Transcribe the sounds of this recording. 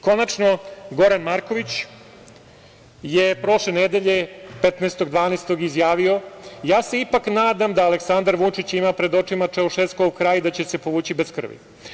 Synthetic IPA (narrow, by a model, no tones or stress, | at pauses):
ko̞nat͡ʂno̞ɡo̞ɾanmaɾko̞ʋit͡ɕ | jepɾo̞ʃlened̪eʎe̞pet̪naest̪o̞ɡd̪ʋaːneːst̪o̞ɡizjaːʋio̞jaːse̞ipaknaːd̪amd̪aːleksand̪aɾʋut͡ʂit͡ɕimapɾe̞d̪o̞t͡ʂimat͡ʂeoʃeːskoukɾaːjd̪at͡ɕese̞po̞ʋuːt͡ɕibeskr̩̰ʋḭ